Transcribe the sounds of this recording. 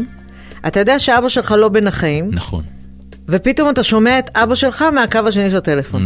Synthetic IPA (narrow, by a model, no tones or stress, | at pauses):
ʔat̪ajo̞d̪eaʃeaabaʃe̞lχalo̞be̞naχajimnaχo̰n | ve̞pito̞mat̪aʃo̞meaet̪ʔabaʃe̞lχameakavaʃ̬e̞niʃelat̪e̞le̞fo̞n